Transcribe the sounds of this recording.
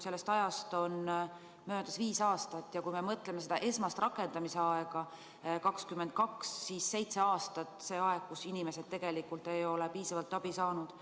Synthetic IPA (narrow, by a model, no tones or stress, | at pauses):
se̞lːest̪ɑjɑst̪o̞n | mø̞ːd̪̥ɑsviːsɑːst̪ɑt̪ːˑjɑkujme̞mɤt̪ːˑle̞me̞se̞d̪ɑʔe̞smɑst̪rɑkːˑe̞nd̪̥ɑmise̞ɑeɡ̥ɑ | kɑkskymːent̪̚kɑksːiːsse̞jt̪se̞ɑːst̪ɑt̪ːˑse̞ːɑe̞ɡ̥̚kusinime̞se̞d̪̚t̪ːe̞ɡ̥e̞likːult̪ːe̞jo̞lepiːsɑvɑlt̪ːˑɑb̥isɑːnud̪̥